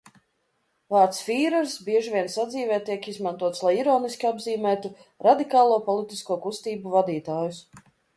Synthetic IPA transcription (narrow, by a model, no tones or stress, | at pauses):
vaːɾt̪sfʲiːɾɛɾsbʲiɛʒivʲiɛnsad̪ziːvɛːt̪iɛkizmant̪uɔt̪slˠajiɾɔːnisʲkʲiabziːmæːt̪u | ɾad̪ikaːlˠuːpɔlˠit̪iskuɔkust̪iːbuvad̪iːt̪aːjus